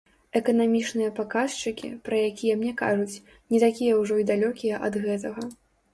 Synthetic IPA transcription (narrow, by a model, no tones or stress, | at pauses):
ɛkɐnamʲit͡ʂnɨjɐpakast͡ʂɨkʲḭpɾɐjakʲijɛmnʲɛka̰ʐut͡sʲ | nʲit̪akʲijɐwʐɔid̪alʲɔkʲijɐʔɐd̪ɣɛt̪ɐɣɐ